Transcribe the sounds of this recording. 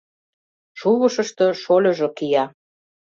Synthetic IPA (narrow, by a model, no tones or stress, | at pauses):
ʃuβəʃə̆ʃt̪ɤ̆ʃolʲɤ̆ʒŏkijɑ